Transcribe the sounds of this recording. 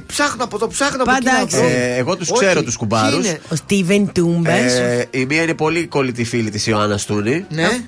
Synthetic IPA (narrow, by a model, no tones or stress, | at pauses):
psɐxnoɐpot̪opsɐxnoɐpɐɐksːɣo̞t̪ussse̞ɾot̪uskubɐɾusost̪ivent̪umbesimiɐine̞po̞liko̞lit̪ifilit̪isioɐnɐst̪unine